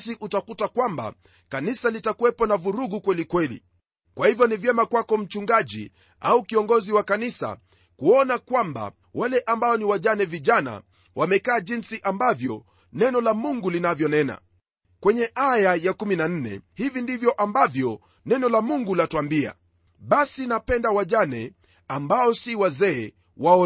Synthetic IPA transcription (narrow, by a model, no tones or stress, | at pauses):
siʔutakutakwamba̰ | kanisalitakuwɛpɔnavuɾuɡukwɛlikwɛlḭ | kwahivjɔnivjɛmakwakɔm̩t͡ʃuŋɡaʄḭ | aukiɔŋɡɔziwakanisa̰ | kuɔnakwamba̰ | walɛʔambaɔniwaʄanɛviʄana̰ | wamɛkaːʄinsiʔambavjɔ | nɛnɔlamuŋɡulinavjɔnɛna̰ | kwɛɲɛʔajajakuminan̩nɛ̰hivindivjɔʔambavjɔ | nɛnɔlamuŋɡulatwambia̰ | ɓasinapɛndawaʄanɛ | ambaɔsiwazɛː | waɔ